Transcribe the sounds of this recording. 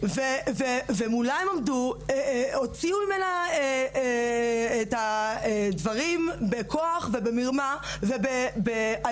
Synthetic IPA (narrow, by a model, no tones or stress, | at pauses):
vevevemulaemomdueot͡siumimenae | etaedvaʁimbekʰoaχve̞bemiʁmavebebea